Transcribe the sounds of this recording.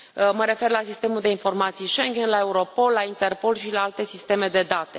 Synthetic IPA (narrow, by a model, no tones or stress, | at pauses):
məɾe̞fe̞rlasist̪e̞muld̪e̞info̞rmat̪sijʃeŋɡʲenlae̞uɾo̞po̞lːaint̪e̞rpo̞lʃilaalt̪e̞sist̪e̞me̞d̪e̞d̪at̪e̞